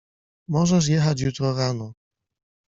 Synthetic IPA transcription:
mɔʐɛʂ̬jɛxat͡ɕjut̪ɾɔɾanɔ

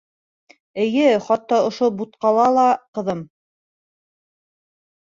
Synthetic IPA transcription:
ɘ̆jɘχɑt̪ːɑŏʃobut̪̚qɑlˠɑlˠɑqɤ̆ðɤm

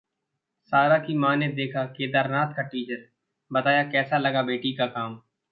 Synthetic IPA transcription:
saːɾakimaːned̪eːkʰakeːd̪aːɾnaːt̪kaʈiːt͡ʃəɾ | bɐt̪aːjakɛːsalɐɡabeːʈikakaːm

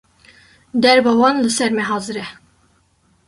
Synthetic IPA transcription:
d̪ɛɾbɑwɑnlɨsɛɾmɛɦɑːzɨɾɛ

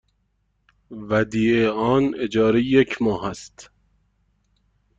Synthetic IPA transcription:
væd̪iːeɒːned͡ʒɒːɾejecʰmɒːɦæst̪

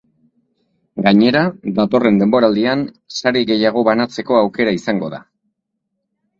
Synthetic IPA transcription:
ɡaɲe̞ɾad̪at̪o̞re̞nd̪e̞mbo̞ɾald̪ian | saɾiɣe̞jaɣ̞o̞βanat͡se̞ko̞awke̞ɾaisaŋɡo̞ða̰

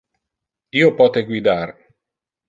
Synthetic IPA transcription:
iːopɔːt̪eɡwid̪ar

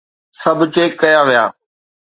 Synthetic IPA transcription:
sɐbʱʊt͡ɕeːkkːɐjaʋija̰ː

